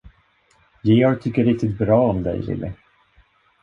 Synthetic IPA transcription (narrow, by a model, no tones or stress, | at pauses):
jeɔɾt̪ʰʏkːəɾɪk̚t̪ɪt̪̚bɾɑːɔmd̪ɛ̰jlɪ̰lːʔɪ̰